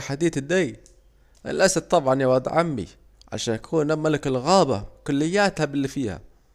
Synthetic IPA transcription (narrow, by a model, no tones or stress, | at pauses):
ħad̪iːt̪ɪd̪ːej | ʔɪ̰lʔasad̚t̪ˤːɑbʕɑnjawɑd̪ˤʕamːḭ | ʕa̰ʃaːnjakʰuːnamːalɪkɪlɣaːba̰kʊlːɪjːaːt̪habɪlːifiːha̰